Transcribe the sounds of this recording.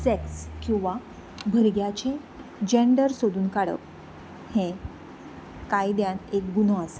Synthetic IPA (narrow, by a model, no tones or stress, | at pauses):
sekskĩw̃ʋa | bʱəɾɡjat͡ɕe | d͡ʑeɳɖəɾsod̪uːnkaɽə̰k | hẽ | kajd̪janek̚ɡunɔase̥